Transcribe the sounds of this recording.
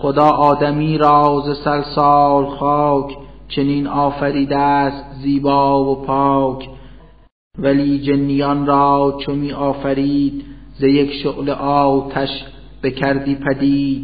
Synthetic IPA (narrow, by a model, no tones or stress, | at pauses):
χod̪ɒːʔɒːd̪æmiːɾɒːzesælsɑːlxɑːkʰt͡ʃʰeniːnɒːfæɾiːd̪æst̪̚ziːbɑːvopʰɑːkʰ | væliːd͡ʒenːijɒːnɾɒːt͡ʃʰomiːʔɒːfæɾiːd̪̚zejekʃoɣleʔɒːwt̪ʰæʃ | b̥ekʰæɾd̪iːpʰæd̪iːd̪̥